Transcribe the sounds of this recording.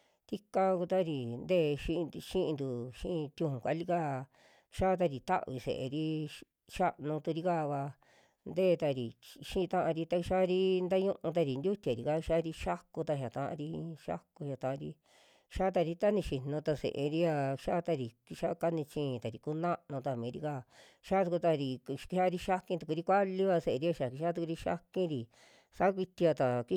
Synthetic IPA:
t̪i˦ka˦ku˧t̪a˦ɾi˧˨nd̪eː˦˨˧ʃĩ˦˧ʃĩ˦ʔĩ˧d̪u˨ʃĩ˦ʔt̪ʲũ˧hũ˨kʷa̰˨˧˦li˦ka˦ | ʃa˦t̪̬a˧ɾi˨t̪a̰˦ʔβi˧sḛ˨ʔḛ˧ɾi˦ | ʃa˦ʔnũ˧t̪u˧ɾi˧ka˦˧βa˧ | nd̪eː˦˧t̪a˧ɾi˨ʃĩ˦˧t̪ã˦ʔã˧ɾi˧t̪a˧ʃa˦˧ɾi˦nd̪a˦ɲũ˦ʔũ˧t̪̬a˧ɾi˨˧nd̪ʲu˦t̪ʲa˨ɾi˨ka˦˧ʃa˦˧ɾi˧ʃa˦ku˧t̪a˧ɦa˨t̪ã˧ʔã̰˧ɾi˧ʃa̰˦ku˧ha˨t̪ã˧ʔa˧ɾi˧ | ʃa˦t̪̬a˧ɾi˧t̪a˦nĩ˧ʃi˨nũ˧t̪a˧sḛ˨ʔe˧ɾi˦a˧ʃa˦t̪a˧ɾi˨ki˧ʃa˦ka˦nĩ˧t͡ʃĩ˧˦˧t̪a˨ɾi˨ku˦nã˦ʔnũ˧t̪a˧mĩː˨˦ɾi˧ka˦˧˨ | ʃa˦u˧ku˧t̪a˧ɾi˨˧kha˦˧ɾi˧ʃa˦kĩ˧t̪u˧ku˧ɾi˦kʷa˦li˦βa˧se˧ʔe˧ɾi˧a˧ʃa˨ki˧ʃa˦t̪̬u˧ku˧ɾi˧ʃa̰˦kĩ˦ɾi˧˨ | sa˦kʷi˧t̪i˧a˧t̪a˨ki˧˦

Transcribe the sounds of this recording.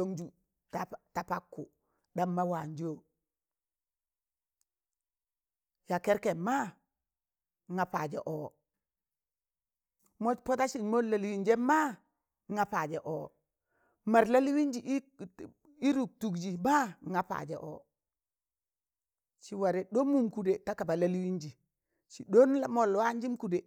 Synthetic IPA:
do˦ŋd͡ʒu˨ | tata˨pa˦kːu˨ | da˦mːa˦wa˨ɲd͡ʒoː˦ | ja˨ke˦ɾke˨mma˦ | ŋa˨pa˨d͡ʒḛ˨ʔoː˨ | mo˦po˦ta˦ʃi˨ɲmo˦la˨li˦wi˦ɲd͡ʒe˦mma˦ | ŋa˨pa˨d͡ʒe˨ʔoː˨ | ma˨ɾla˦li˦wi˦ɲd͡ʒi˨ʔ | i˦ɾu˨k̚tu˨ɡd͡ʒi˨ma˦ŋa˨pa̰˨d͡ʒḛ˨ʔo̰ː˨ | ʃi˨wa˨ɾe˨do˦mu˦˨mku˨de˨ta˦ka˨ba˨la˦lwi˦ɲd͡ʒi˨ | ʃi˨do˦na˦mo˨lwa˦ɲd͡ʒi˦mku˨de˨

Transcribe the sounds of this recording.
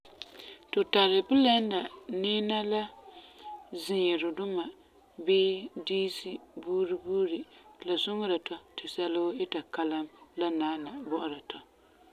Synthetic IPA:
tʊ˨ta˨ɾɪ˨bʊ˦la˦n˦da˨nɪː˦na˦la˦ | zɪ˨ɲɛ˨ɾʊ˨dʊ˦ma˨ | beː˦diː˦si˦buː˦ɾi˦buː˦ɾi˨la˨sʊ˦ŋ˦ɾa˨tɔ˦tɪ˨sa˦lʊ˦ʊ˦ɪ˦ta˨ka˦la˦mla˦naː˦na˨bɔ˦ʔʊ˦ɾa˨tʰɔ˨

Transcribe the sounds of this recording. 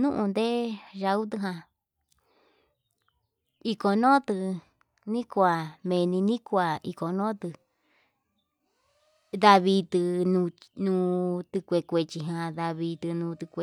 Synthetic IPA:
nũ˦ʔũ˧nd̪e˦ʒa˧u˦t̪̬ɨ˧ɦã˧ | i˧ko˧nõ˦t̪ɨ˧ | nĩ˦kʷa˨mẽ˧˨nĩ˧nĩ˦kʷa˨i˧ko˨nõ˦t̪ɨ˧ | ða˧βi˧t̪ɨ˧nũ˧nũː˧t̪ɨ˧kʷe˧kʷe˧t͡ʃi˧ɦã˧ða˧βi˧t̪ɨ˧nũː˧t̪ɨ˧kʷe˧

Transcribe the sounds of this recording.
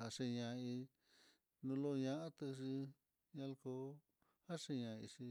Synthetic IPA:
ha˧ʂe˧ɲã˧i˧ | nũ˧lo˦˧ɲã˧ʔã˦t̪ɨ˧ʂi˧ | ɲã˧lko˧˦ | ha˦ʂe˧ɲã˨˧ḭ˧ʂi˧

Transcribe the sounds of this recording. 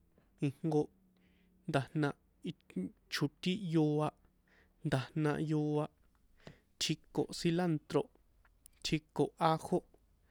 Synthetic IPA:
ĩ˧ŋ̥ŋɡo˧ʔ | nd̪a˨hnã˧ʔ | i˧t͡ʃʰu˨t̪i˦jo˧a˧ʔ | nd̪a˨hnã˧ʔjo˧a˧ʔ | t̪ʰi˧ko˨ʔsi˧la˦nt̪ɾo˧ʔ | t̪ʰi˧ko˨ʔa˧ho˦ʔ

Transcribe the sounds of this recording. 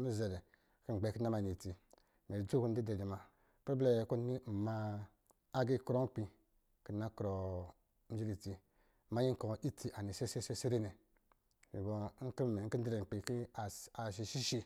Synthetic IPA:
mi˦ze˨le˨ | ki˦n˨ɡ͡be˨ki˦na˦ma˨ni˨ti˨ | me˨d͡ʒu˦ku˦n˦di˦de˨d͡ʒi˨ma˨ | pble˦˨ku˦ni˦˨maː˨˦ | ɡi˦ku˦ɾo˦k͡pi˨ | ki˨na˦kɾo˨˦ | d͡ʒi˦ɾi˨ti˨ | ma˦ji˦ŋ˦ko˨ʔi˦tʰi˨ʔa˨ni˨se˦se˦se˦se˦ɾe˦ne˨ | i˨bo˨˦ki˦me˨˦ki˦n˦di˦ɾe˨k͡pi˨ki˦˨a˨ʃ̬i˨ʃi˦ʃi˦

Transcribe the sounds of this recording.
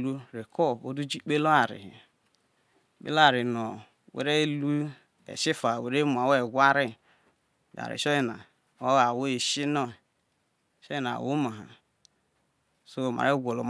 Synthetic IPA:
lu˦ɾe˨ko˦o˦du˦d͡ʒi˦k͡pe˦lo˦a˨ɾḭ˨ | k͡pḛ˦lo˦a˨ɾi˨no˨ | wḛ˨ɾe˦lu˦ | ḛ˨ʃi˦fa˨we˨ɾe˦mu˨a˨we˨ɡʷa˦ɾi˦˨ | ɡa̰˨ɾḭ˨ʃo˦ji˦˨na̰˨ | o˦a˨wo˦e˨ʃi˦no˦˨ | ʃo˦i˦na̰˨wo˦ma˨ɦa̰˨ | so˦˨ma̰˨ɾe˦ɡʷo˨lo˨m˦

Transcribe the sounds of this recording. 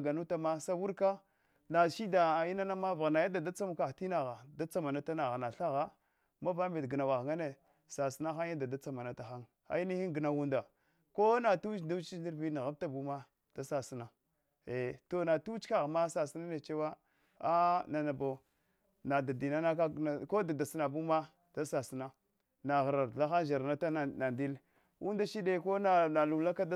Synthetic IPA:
ɡa˨nu˦ta˦ma˦sa˦wu˦ɾka˦ | na˨ʃi˦da˨i˦na˦na˦ma˦va˨ɣna˨ja˦da˨da˦t͡sa˦m˦ka˨ti˦na˨ɣa˨da˦t͡sa˦ma˨na˦ta˦na˨ɣa˨na˨ɬa˦ɣa˦ | ma˦va˦me˨dɡə˨na˨wa˨ɣŋa˦ne˨ | sa˨si˦na˦xa˦ja˦da˨da˦t͡sa˦ma˨na˨ta˨xa˦ŋ | a̰˨i˦ni˦hi˦ŋɡə˨na˨wu˦nda˨ | ko˦na˨tu˦t͡ʃda˦t͡ʃi˦ndi˦ɾvi˦na˨ɣa˦b̚ta˦bu˦ma˦ | d̥a˦sa˨si˦na˨ | e˨to˨na˨tu˦t͡ʃka˨ɣma˦sa˨si˦na˦ne˨t͡ʃe˦wa˦ | a˦na˨na˨bo˨ | na˨da˨di˨na˦na˦ka˦˨ko˦da˨da˨si˦na˨bu˦ma˦ | d̥a˦sa˨si˨na˦ | na˨ɣɾa˨ɾla˦xa˦ʒa˨ɾna˦ta˦˨na˨ndi˦l | wu˦nda˦ʃi˦de˦ko˦a˦˨na˨lu˨la˦ka˦d

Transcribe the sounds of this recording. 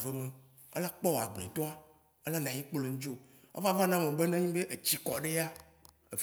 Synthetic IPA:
ve˨mẽ˨ | ḛ˦la˦k͡pɔ˦wo˨a˨ɡ͡blḛ̃˨t̪ɔ̃˦a˦ | e˦la˦nã˨ɲĩ˦k͡ple˨ŋ̩̃˦d͡ʒo˦ | o̰˦va˦va˦nã˦mẽ˨be˦nã˦ɲĩ˦be˦ʔe˨t͡ɕi˦kɔ˨ɖe˦a˦ | e˨f

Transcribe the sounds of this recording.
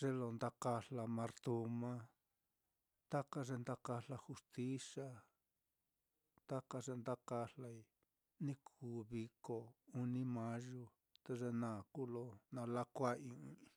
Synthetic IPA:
ʐ̥e˦˧lo˧nd̪a˦ka˧ɬa˧mã˧ɾt̪u˧mã˦ | t̪a˦ka˧ʐe˧nd̪a˦ka˧la˧xu˧st̪i˦sa˦ | t̪a˦ka˧ʐe˧nd̪a˦ka˧ɬa˧i˧ | nĩ˦kʰuː˨˦βi˧ko˧u˧nĩ˦mã˦ʒu˧˦ | t̪e˧ʐe˧nãː˨kuː˦lo˧nã˧la˦kʷa˦ĩ˧ĩ˧

